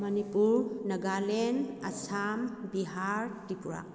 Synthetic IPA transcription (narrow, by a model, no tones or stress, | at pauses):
mɐnipuɾnɐɡalenɐsambiɦaɾtipuɾa̰